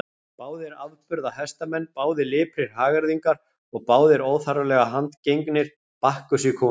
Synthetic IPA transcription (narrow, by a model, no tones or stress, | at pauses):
paːwðɪɾaðpʏɾðahɛst̪amɛnːpaːwðɪlɪːpʰɾɪɾ̥ɦaːɣaɾðiŋkaɾ̥ | ɔɣpaːwðɪɾoːwθaɾalɛɣaɦant̪cejŋknɪɾ̥ | pahkʏsikʰɔː